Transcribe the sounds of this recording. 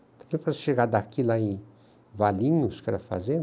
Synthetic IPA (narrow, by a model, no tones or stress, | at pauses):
t̪abefɾaʃeɡad̪akilai | valiɲuskalafa̰zen